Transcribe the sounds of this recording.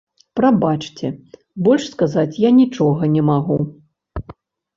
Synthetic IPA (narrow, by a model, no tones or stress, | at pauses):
pɾabat͡ʂt͡sʲɛ | bɔlʲʂskazat͡sʲjanʲit͡ʂɔɣɐnʲɛmaɣu